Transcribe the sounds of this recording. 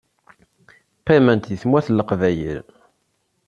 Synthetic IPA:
pːæmænt̪jəθmwæθlːəqvæjə̰ɾ

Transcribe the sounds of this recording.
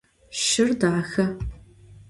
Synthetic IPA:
ʃɪrdaːxɐ

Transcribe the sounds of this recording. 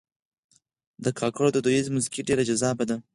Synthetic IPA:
d̪əkʰɑkaɽod̪əd̪oizmʊzi̥kiɖeɾad͡ʒazɑbad̪a

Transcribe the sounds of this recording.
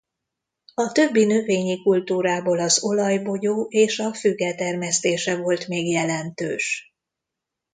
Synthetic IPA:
ɒt̪ø̞bːinøveːɲikult̪uːɾaːbolɒzo̞lɒjbo̞ɟoːʔeːʃɒfyɡːɛt̪ɛrmɛst̪eːʃɛvo̞lt̪meːɡjɛlɛnt̪ø̰ːʃ

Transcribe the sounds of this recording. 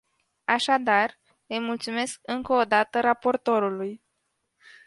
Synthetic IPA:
aʃad̪ar | əjmult̪sume̞sk̚ɨŋkəod̪at̪əɾapo̞rt̪o̞ɾuluj

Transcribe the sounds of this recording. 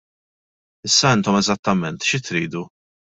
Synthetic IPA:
ɪsːɐɪnt̪ɔmɛzɐt̪ːɐmɛnt̪ʃɪt̪ɾiːd̪u

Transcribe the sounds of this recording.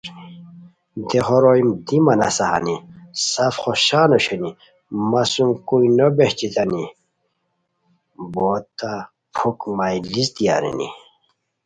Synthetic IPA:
d̪eχoɾoimd̪imɐna̰saɦa̰nisafχoɕaːnoɕeni | masumkuinobeht͡ɕit̪ani | boːt̪ːa | pʰukmajlist̪ija̰ɾḭnḭ

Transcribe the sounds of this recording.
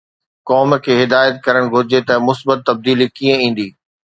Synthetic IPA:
kɔːmkʰeːɦɪd̪aːjət̪̚kɐɾəɽ̃ɡʱʊɾɪd͡ʑet̪ɐmʊsbət̪ːɐb̚d̪iːlikiːə̃ĩːn̆d̪iː

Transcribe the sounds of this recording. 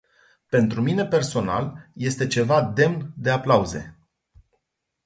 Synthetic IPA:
pe̞nt̪ɾumine̞pe̞rso̞na̰lje̞st̪e̞t͡ʃe̞vad̪e̞mnd̪e̞aplauze̞̰

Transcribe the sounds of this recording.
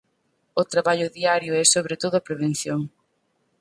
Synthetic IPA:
ʊt̪ɾaβaʎʊðiaɾjʊɛsoβɾet̪oðʊapɾeβ̞en̟θjoŋ

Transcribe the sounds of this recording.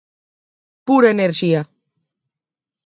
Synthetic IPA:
puɾaeneɾʃia

